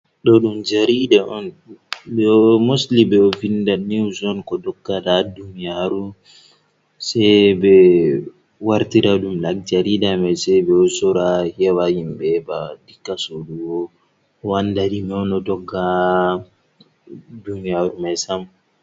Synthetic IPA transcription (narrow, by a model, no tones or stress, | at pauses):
ɗɔɗumd͡ʒaɾidaʔɔn | ɗɔmoslibɛɔvindaniwzɔnkɔdɔɡːaɗadunijaɾu | sɛjbɛ | waɾtiɾaɗumlak̚d͡ʒaɾidamɛsɛbɛɔsɔɾahɛwahimbɛbadikːasoɗuwɔ | ɔwandaɗimɛɔnɔdɔɡːa | dunijaɾumɛsam